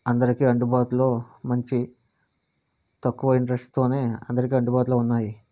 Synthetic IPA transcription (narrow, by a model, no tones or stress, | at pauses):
ɐnd̪ɐɾikiːɐɳɖubaːt̪ulo̞ːmɐɲt͡ʃi | t̪ɐkːuʋɐiɳʈɐɾesʈt̪o̞ːne̞ːɐnd̪ɐɾik̬iːɐɳɖubaːt̪ulo̞ːunːaːji